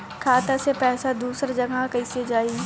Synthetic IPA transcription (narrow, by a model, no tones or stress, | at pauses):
kʰaːt̪asepɛːsad̪uːsɾd͡ʒɐɡakɐised͡ʒaːi